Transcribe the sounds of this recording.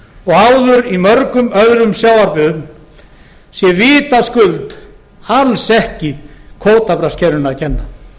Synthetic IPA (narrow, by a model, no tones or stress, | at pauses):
ɔɣawðʏɾimœɾkʏmœðɾʏmsjaːwvaɾpʏðn | sjɛviːt̪askʏlt̪ | alsɛhcɪkʰoːwt̪apɾascʰɛɾʏnaðcʰɛnːa